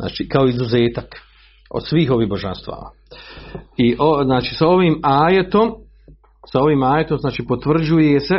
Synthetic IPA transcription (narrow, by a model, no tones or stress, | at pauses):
na̰ːt͡ʃiːkaoizuzeːt̪ak | o̰d̪sʋiːɦo̞ʋiːɦboʒa̰nst̪ʋa̰ːa̰ | iʔoznaːt͡ʃiːsao̞ʋiːmaːjet̪om | sao̞ʋiːmaːjet̪omznaːt͡ʃiːpot̪ʋr̩d͡ʑujese̞